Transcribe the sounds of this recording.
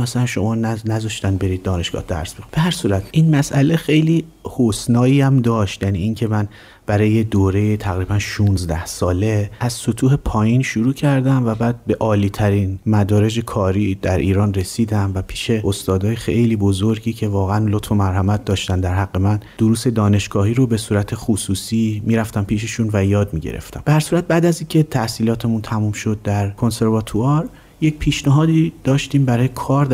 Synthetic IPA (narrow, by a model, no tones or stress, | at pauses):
æsnʃo̞mɒːnnæzɒʃt̪ænbe̞ɾiːd̪̚ːɒːne̞ʃɡ̥ɒ̰ːhd̪æ̰ɾsb̥eb̥eɦæɾsuːɾæt̪ʰʔiːnmæsʔæle̞xe̞jliː | hosnɒːjiːæmd̪ɒːʃt̪jæniːʔiːŋcʰe̞mæn | b̥æɾɒːjed̪oːɾe̞jet̪ʰæɣɾiːbænʃunzd̪æhsɒːle̞æzsot̪ʰuːhe̞pʰɒːjinʃuɾuːcʰæɾd̪æmvæbæːd̪̚be̞ʔɒːliːt̪ʰæɾiːnmæd̪ɒːɾe̞d͡ʒe̞kʰɒːɾiːd̪æɾʔiːɾɒːnre̞siːd̪æmvæpʰiːʃe̞ost̪ɒːd̪ɒːjexejliːbo̞zo̞ɾɟiːcʰe̞vɒːɣeænlot̪fo̞mæɾɦæmæt̪̚d̪ɒːʃt̪ænd̪æɾɦæɡːe̞mænd̥̪oɾuːse̞d̪ɒːne̞ʃɡ̥ɒːɦiːɾobe̞suːɾæt̪ʰe̞χusuːsiːmiːɾæft̪æmpʰiːʃe̞ʃunvæjɒːd̪miɟḛɾḛft̪æmb̥ehæɾsuːɾæt̪̚bæːd̪æziːcʰe̞t̪ʰæhsiːlɒːt̪ʰe̞munt̪ʰæmumʃo̞d̪̚ːæɾkʰo̞nse̞ɾvɒt̪ʰuɒɾ | jecpʰiːʃnæɦɒːd̪id̪̥ɒːʃt̪iːmbæɾɒːjekʰɒːɾ